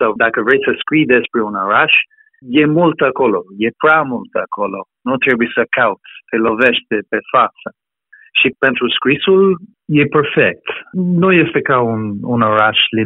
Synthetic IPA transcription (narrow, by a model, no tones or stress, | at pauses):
sad̪akəvɾɛjsəskwid̪ɛspɾunaɾaʃ | jɛmult̪akolojɛpɾamult̪akʰolo | nõnt̪ɾɛbuisəkawt̪pelovɛʃt̪epɛfat̪sa | ʃipɛ̃nt̪ɾuskwisul | jɛpɛɾfɛk̚t̪nujɛst̪ekaununaɾaʃli